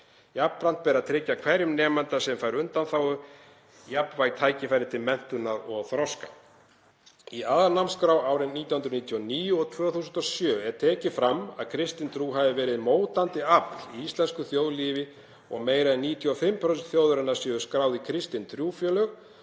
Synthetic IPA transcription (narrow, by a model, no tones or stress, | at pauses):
japːɾan̥t̪̚pɛːɾat̪ʰɾɪcːakʰvɛɾjʏmnɛːmant̪asɛmfaːjɾʏnt̪anθawɣʏ | japnvaːjɣt̪ʰaːjcɪfajɾðɪt̪ʰɪlmɛn̥t̪ʏnaðɔɣθɾɔska | iaðaɾnamskɾaːwaːwɾɪniːt̪jawhnt̪ɾniːt̪ʰjɔniːjʏɔt̪ʰvœːθuːsʏnt̪ɔsjœːɛɾt̪ʰɛːcɪfɾama̰ðkʰɾɪst̪ɪnt̪ʰɾuːɦaːvɪvɛːɾɪðmoːwt̪ant̪ɪapliist̪lɛnskʏθjowðliːvɪ | ɔ̰ɣmeːjɾaðɛniːt̪ʰiɔfɪmpʰɾœst̪θjoːwðʏɾɛnːaɾsʏðʏ̥skɾaːwðɪkʰɾɪst̪ɪnt̪ʰɾjuːfjœːlœɣ